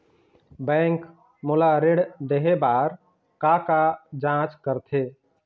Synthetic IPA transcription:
bɛ̃ːŋk | molaɾeɽd̪eɦebaːɾ | kakad͡ʒãt͡ʃkəɾt̪ʰe

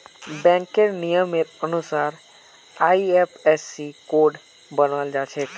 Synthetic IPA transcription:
bɛ̃ŋkeɾnijəmeɾənusaːɾ | aiepʰesikoɖ | bənəld͡ʒat͡ʃʰe

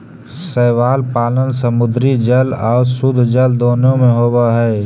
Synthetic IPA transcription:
sɛːwaːlpaːlənsəmʊd̪ɾid͡ʒəlɔːɾsʊd̪ʱd͡ʒəld̪oːnõmẽɦoːbaɦɛː

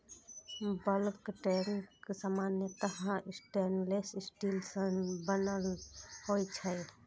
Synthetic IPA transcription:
bəlkʈenksamanjət̪əɦãʔsʈenlesisʈilsənbənəlhojt͡ʃʰəj

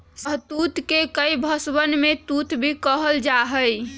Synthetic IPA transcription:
səɦt̪ut̪kekəjbʱəsbənmet̪ut̪bʱikəɦəld͡ʒaɦəj

